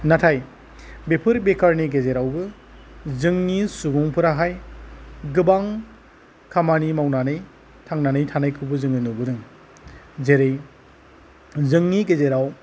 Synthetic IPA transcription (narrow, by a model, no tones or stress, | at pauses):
natʰaj | bepʰɯɾbekʰaɾniɡezeɾawbɯ | zɯŋnisubuŋpʰɯɾaɦaj | ɡɯbaŋ | kʰamanimawnanɯj | tʰaŋnanɯjtʰanajkʰɯbɯzɯŋɯnubɯdɯŋ | zeɾɯj | zɯŋniɡezeɾaw